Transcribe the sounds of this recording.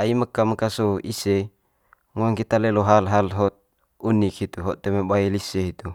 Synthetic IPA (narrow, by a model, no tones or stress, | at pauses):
aiməkaməkasoise | ŋaŋkit̪alɛloɦalɦalɦɔt̪̚ | unikhit̪uɦɔt̪emebailisɛɦit̪u